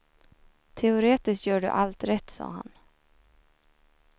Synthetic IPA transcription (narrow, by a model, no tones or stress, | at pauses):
t̪ʰɛʊɾeːt̪ɪskt̪jœːɖɵ̰ʔalt̪ɾɛt̪ːsɑ̰ːɦa̰n